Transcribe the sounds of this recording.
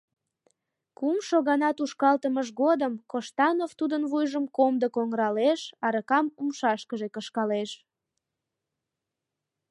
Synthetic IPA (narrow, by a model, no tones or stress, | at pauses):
kumʃoɣɑnɑt̪uʃkɑlt̪əməʃɣod̪əmkoʃt̪ɑnoft̪ud̪ənβujʒəmkomd̪əkoŋəɾɑleʃɑɾəkɑmumʃɑʃkəʒekəʃkɑleʃ